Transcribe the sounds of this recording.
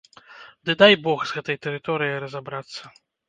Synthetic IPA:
d̪ɨd̪ajbɔxzɣɛt̪ɐjt̪ɛɾɨt̪ɔɾɨjɐjɾɐzabɾat̪sːɐ

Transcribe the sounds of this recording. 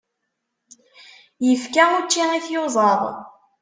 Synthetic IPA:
jəfkæut͡ʃːiiθjozˤɑðˤ

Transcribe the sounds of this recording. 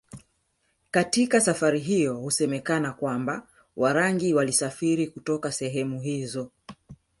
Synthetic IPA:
katikasafaɾiɦijɔhusɛmɛkanakwamba | wʔaɾaŋɡiwalisafiɾikutɔkasɛɦɛmuɦizɔ

